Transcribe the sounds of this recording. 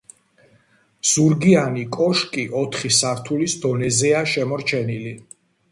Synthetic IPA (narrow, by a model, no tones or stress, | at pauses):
z̥uɾɡianikʼɔʃkʼiʔɔt̪ʰχisaɾt̪ʰulisd̪ɔnɛzɛaʃɛmɔɾt͡ʃʰɛnili